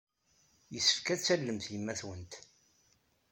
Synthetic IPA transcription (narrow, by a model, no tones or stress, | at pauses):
jəsːə̥fkæt͡sːælːəmθjəmːæθwənt̪